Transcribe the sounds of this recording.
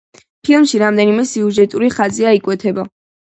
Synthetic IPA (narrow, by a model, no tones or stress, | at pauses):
pʰilˠmʃiɾamd̪ɛnimɛsiuʒɛt̪ʼuɾiχaziaikʼwɛt̪ʰɛba